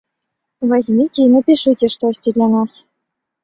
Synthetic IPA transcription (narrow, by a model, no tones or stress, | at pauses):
vazʲmʲitʲenə̆pʲiʂɨtʲĕʂt̪osʲtʲɘ̆d̪lʲænɑs